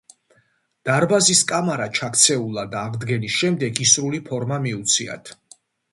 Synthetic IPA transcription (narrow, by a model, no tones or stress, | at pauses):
d̪̥aɾbaziskʼamaɾat͡ʃʰakʰt̪sʰɛulˠad̪aʁd̪ɡɛnisʃɛmd̪ɛɡisɾulipʰɔɾmamiut̪sʰia̰t̪ʰ